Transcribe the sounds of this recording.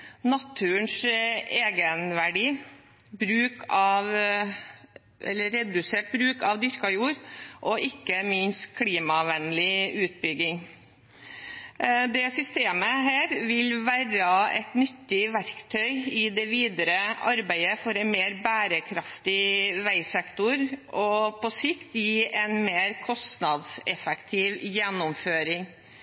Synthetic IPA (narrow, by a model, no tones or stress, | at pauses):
nɑt̪ʰʉːəɳseːɡənʋæɖiː | bɾʉːkɑʋ | ʔɛ̰lːəɾɛd̪ʉseːʈ̚bɾʉːkɑʋd̪ʏɾkɑjuːɾʔɔʔɪkːəmɪnst̪kʰliːmɑʋɛnlɪʉːt̪̚bʏɡɪŋ | d̪ɛsʏst̪eːməɦæːɾʋɪlʋæɾɑɛ̰t̪nʏt̪ːɪʋæɾkt̪ʰœʏɪd̪ɛʋiːd̪əɾəʔɑɾbæɪəfɔɾɛnmeːɾbæːɾəkʰɾɑft̪ɪʋæɪsɛkt̪ʊɾʔɔpʰɔsɪkt̪jiːʔɛnmeːɾkʰɔst̪nɑd̪sɛfɛkt̪ʰiːʋjɛnːʊmføːɾɪŋ